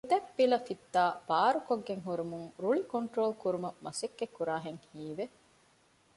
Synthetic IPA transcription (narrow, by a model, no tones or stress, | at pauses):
ut̪ɐpːilɐfit̪ːaːb̥aːɾukoɡːeŋɦuɾimuŋɾuɭikoɳʈɾoːlkuɾumɐmɐsekːekːuɾaːɦeŋhiːʋe